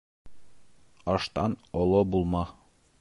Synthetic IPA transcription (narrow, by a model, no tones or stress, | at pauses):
ɒʃt̪ɑnɒlˠɤbulˠmɑ